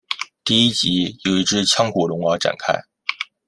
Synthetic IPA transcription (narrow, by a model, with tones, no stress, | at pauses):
t̪i˥˧i˥t͡ɕi˧˥jo˨˩ʊi˧˥ʈ͡ʂɻ̩˥t͡ɕʰjɑ˥ŋkʰu˨˩lʊ˧˥ŋwɑ˧˥ʈ͡ʂa̰˨˩nkʰa̰˥ɪ